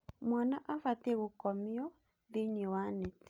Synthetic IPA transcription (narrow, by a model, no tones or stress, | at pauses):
mwanaʔafatɛɣokɔmiɔ | ðeɲiwanɛt